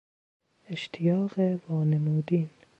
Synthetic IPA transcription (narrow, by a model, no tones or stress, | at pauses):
eʃt̪ʰijɑːɣevɑːnemuːd̪iːn